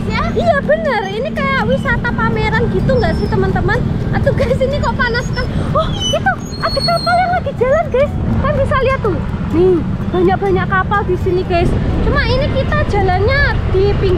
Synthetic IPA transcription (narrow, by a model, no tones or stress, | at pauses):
ja | ijab̥ənərinikajawisat̪apameɾanɡi̤t̪uŋɡaʔsɪht̪əmənt̪əmənat̪uɡ̥asinikɔʔpanaskanwɔhit̪u | aɡ̥i̤kapaljaŋlaɡ̥i̤̥d͡ʒ̥a̤lanɡ̥ajskanb̥isaliɦat̪ːuni | b̥a̤ɲaʔ̚b̥a̤ɲaʔkapald̪̥i̤siniɡ̥ajst͡ʃumainikit̪ad̥ʒ̥a̤lanɲad̪̥ipiŋ